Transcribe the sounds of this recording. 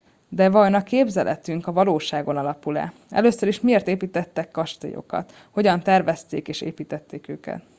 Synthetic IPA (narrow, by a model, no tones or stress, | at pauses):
d̪ɛvɒjnɒkeːbzɛlʔɛ̰t̪yŋkɒvɒloːʃaːɡo̞nɒlɒpulɛ̰ɛ̰løːsøɾiʃmieːrt̪eːpiːt̪ɛt̪ːɛkːɒʃt̪ḛjo̞̰kɒ̰t̪ | ho̞ɟɒnt̪ɛrvɛst̪ḛːkeːʃḛːpiːt̪ɛt̪ːeːkøːkɛ̰t̪